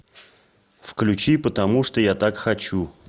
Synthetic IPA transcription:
fklʲʉt͡ɕipət̪ɐmuʂt̪ojat̪akxɐt͡ɕu

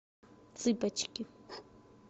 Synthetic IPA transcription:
t͡sɪpat͡ʃkɪ

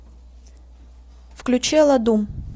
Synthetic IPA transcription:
fklʲʊt͡ɕɛlˠɐd̪um

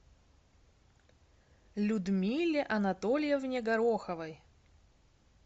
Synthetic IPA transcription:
lʲʊd̪mʲilʲːɪʔɐnɐt̪olʲjɛvnʲɪɡɐɾoxəvəj

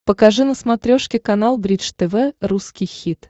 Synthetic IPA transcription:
pəkɐʐɨnəsmɐt̪ɾʲoʂkʲɪkɐnalˠbɾʲit͡ʂt̪ɛvɛruskʲɪjxʲit̪

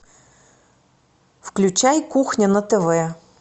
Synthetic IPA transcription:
wklʲʊt͡ʃajkuxnʲɐnɐt̪eʋɛ

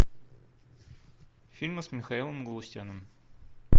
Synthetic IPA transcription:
fʲilʲmɨsmʲɪxɐilˠəmɡəlˠʊsʲtʲanəm

